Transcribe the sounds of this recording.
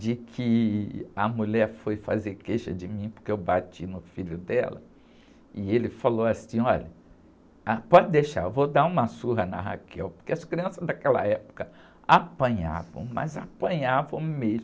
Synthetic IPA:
d͡ʒɪkʰɪɐmuʎɛɾfojfa̰zeɾkejʃɐd͡ʒɪmĩpo̥keewbat͡ʃinʊfiʎʊd̪ɛ̰lɐ̰ | ɪelɪfalowasĩɔʎɐ | apɔd͡ʒɪd̪eʃa̰ɾevod̪aũmɐsuɦɐnɐ̰ɦa̰kʰɛwpo̥ɾkeɐskɾiɐ̃sɐzd̪akɛlɐ̰ɛpo̥kɐ | apɐ̃ɲa̰vɐ̰̃w̃mɐ̰zapɐ̃ɲavɐ̃w̃mez

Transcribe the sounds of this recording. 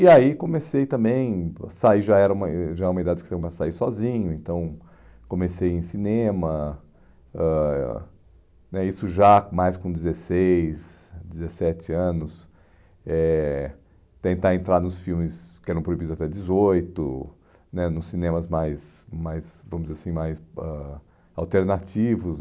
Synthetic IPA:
iaikõmesejt̪ɐ̃mbẽj̃saiʒaɛɾɐũmɐʒaɛũmɐid̪ad͡ʒɪkɪ̥sẽkomɛsɐsaiɾsɔzĩɲʊẽnt̪ɐ̃w̃ | kõmesejẽj̃sinẽmɐ | ɛ | nɛisʊʒamajskõd͡ʒɪzesejsd͡ʒɪzesɛt͡ʃɪɐ̃nʊs | ɛ | t̪ẽnt̪aɾẽnt̪ɾaɾnʊsfiwmɪskɪɛɾɐ̃w̃pɾoibid̪zat̪ɛd͡ʒɪzojt̪ʊ | nɛnʊsːinẽmɐzmajsmajzvɐ̃mʊzzzasĩmajsɛ | awt̪eɾnat͡ʃivʊs

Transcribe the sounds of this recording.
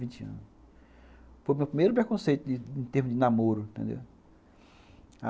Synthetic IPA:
vĩnt͡ʃɪɐ̰̃nʊ | fojmewpɾimejɾʊpɾekõsejt̪ʊdɪẽt̪eɾmʊzd͡ʒɪnamoɾʊĩt̪ẽnd̪ḛw | a

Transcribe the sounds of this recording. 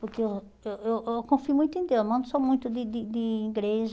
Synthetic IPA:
poɾke | ewewewkõfiumũj̃t̪ʊẽd̪ewzmɐ̃d̪ʊsɔmũj̃t̪ʊd̪ɪd̪ɪd̪ɪiɡɾeʒ

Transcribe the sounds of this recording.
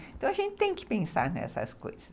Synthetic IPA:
ẽt̪ɐ̃w̃ɐʒẽntɪ̥t̪ẽj̃kɪ̥pẽsa̰ɾnɛ̰sɐ̰sko̰jz̥ɐ

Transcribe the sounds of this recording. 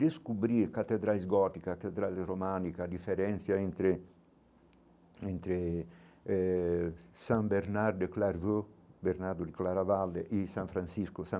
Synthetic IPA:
d̪eskubɾiɾkat̪ːed̪ɾalezɡɔt̪ikat̪ed̪ɾaleɾomanikad̪ifeɾɛnt̪sjaent̪ɾe | ent̪ɾe | sambeɾnaɾd̪eklaɾvøbeɾnaɾd̪ud̪iklaɾavalːeʔisãɱfɾansiskosã

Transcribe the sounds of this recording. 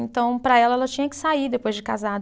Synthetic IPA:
ẽnt̪ɐ̃w̃pɾɐɛlɐɛlɐt͡ʃĩɲɐkɪ̥said̪epojzd͡ʒɪkazad̪

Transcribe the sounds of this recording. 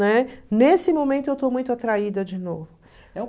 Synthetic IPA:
ɛnesɪmõmẽnt̪ʊewt̪omũj̃t̪ʊat̪ɾaid̪ɐd͡ʒɪnovʊ | ɛ̃

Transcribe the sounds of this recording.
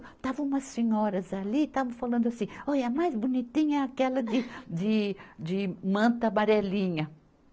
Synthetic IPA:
t̪avɐ̃ũmɐsẽɲɔɾɐzaliːt̪avɐ̃falɐ̃nd̪ʊasĩojɐmajzbonit̪ĩɲɐɛakɛlɐd̪ɪd̪ɪd͡ʒ̪ɪmɐ̃nt̪ɐbaɾɛlĩɲɐ

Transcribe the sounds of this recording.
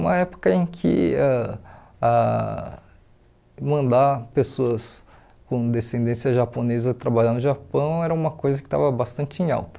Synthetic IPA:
ũmɐɛpo̥kɐẽj̃kʰɪ̰a | a | mɐ̃nd̪apesoɐs | kõd̪esẽnd̪ẽsiɐʒaponezɐt̪ɾabaʎɐ̃d̪ʊʒapɐ̃w̃ɛɾɐũmɐkojzɐkɪ̥t̪a̰vɐbast̪ɐ̃nt͡ʃɪẽj̃a̰wt̪ɐ̥

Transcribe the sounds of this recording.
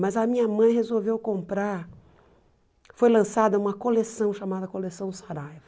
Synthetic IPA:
mɐzɐmĩɲɐmɐ̃j̃hezowvewkõmpɾaɾ | fojlɐ̃sad̪ɐũmɐkolesɐ̃w̃ʃamad̪ɐkolesɐ̃w̃saɾajv

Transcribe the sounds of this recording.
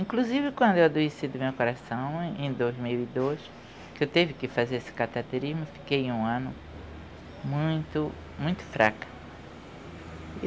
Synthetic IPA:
ĩkluzivɪkwɐ̃nd̪ʊewad̪uisid̪ʊmewkoɾasɐ̃w̃ẽj̃d̪ojzmiwid̪oz | kɪewt̪evɪkɪfazeɾesɪ̥kat̪at̪eɾizmʊfi̥kejũɐ̃nʊ | mũj̃t̪ʊ | mũj̃t̪ʊ̥fɾakɐ̥

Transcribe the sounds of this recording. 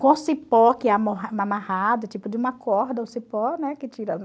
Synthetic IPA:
kõsipɔkɪɛamoɦamamahad̪ɐt͡ʃipʊd͡ʒɪũmɐkʰɔɾd̪ɐʊsipɔnɛkɪt͡ʃiɾɐ

